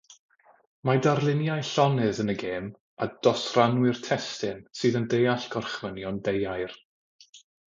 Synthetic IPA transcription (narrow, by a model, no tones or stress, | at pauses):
madarlˠɪnjajɬɔnɨðənəɡeːm | ad̥ɔsranwɨrtʰɛstɨnsɨːðəndejaɬɡ̥ɔrχvənjɔndejajr